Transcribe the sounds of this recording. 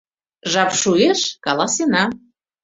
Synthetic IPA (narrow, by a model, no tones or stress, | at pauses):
ʒɑpʃueʃkɑlˠɑsenɑ